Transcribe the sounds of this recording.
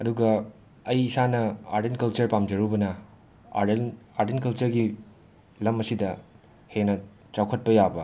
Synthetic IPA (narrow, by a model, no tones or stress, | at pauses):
ɐduɡɐ | ɐjisanɐa̰ɾdenkɐlt͡ʃɐɾpamd͡ʒɐɾubɐnɐ | a̰naɾdenkɐlt͡ʃɐɾɡi | lɐmɐsidɐ | henɐ | t͡ʃawkʰɐt̚pɐjabɐ